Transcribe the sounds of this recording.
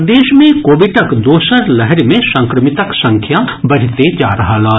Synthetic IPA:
d̪eːʃmẽkoːʋɪʈəkd̪oːʃəɾlɛɦɛɾmẽsɐ̃ŋkɾəmɪt̪əksɐ̃ŋkʰjabɐɽ̤t̪ed͡ʒa̰ːɾɐɦalaː

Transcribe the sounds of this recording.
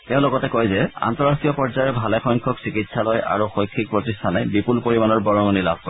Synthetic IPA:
teʊ̃lɔɡɔtɛkojzɛa̰ntɔɹaxiɔpɔɹzajɔbʱalɛxɔjŋkʰɔksikitsalojʔa̰ɹuxɔjkʰːik̚pɹotistʰanɛbipulpoɹimanɔɹbɔɹɔŋɔnila̰bʱkɔɹ

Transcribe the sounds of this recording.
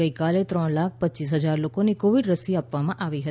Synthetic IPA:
əikalet̪ɾɔɳlak̚ʰpətːt͡ʃis̬ɦəd͡ʒaɾlokonikoʋiɖɾəsiapʋamãʔaʋiɦət̪i

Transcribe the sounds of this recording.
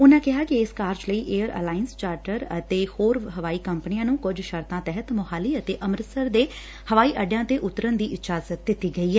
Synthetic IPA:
ʊnãːkɪɦaːkɪɪskaːɾd͡ʒləiːʔeːəɾə̰ːlaːɪənst͡ʃaːɾʈəɾət̪eːhoːɾɦəʋaːiːkəmpnijãːnũːkʊd͡ʒʃəɾt̪ãːt̪ɛɦət̪mʊɦaːliːət̪eːʔəmɾəsəɾd̪eː | həʋaːiːʔəɖjãːt̪eːʔʊt̪ːɾənd̪iːʔɪt̪d͡ʒaːzət̪̚d̪ɪt̪iːɡəiːɦɛː

